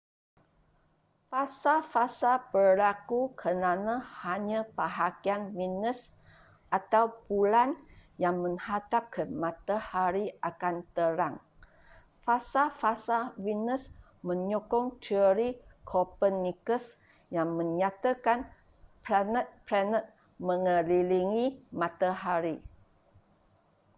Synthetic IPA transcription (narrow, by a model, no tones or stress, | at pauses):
fasafasabərlakukʰənanãhaɲãpəɦakianwinəs | ʔat̪awbulanjaŋmə̃ŋhat̪ap̚kʰəmãt̪ahaɾiakant̪əɾaŋ | fasafasawinəs | mə̃ɲokɔŋt̪ʰiəɾikʰɔpənːikəs | jaŋmə̃ɲat̪akan | pɾanət̪̚pɾanət̪̚ | mə̃ŋəliliŋimãt̪aɦaɾi